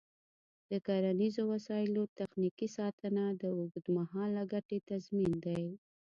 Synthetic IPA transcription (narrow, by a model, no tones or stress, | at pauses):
d̪̥əkaɾanizowasɑɪlot̪axnikisɑt̪ənad̪əʊɡd̪maɦɑlːaɡaʈet̪azmind̪aj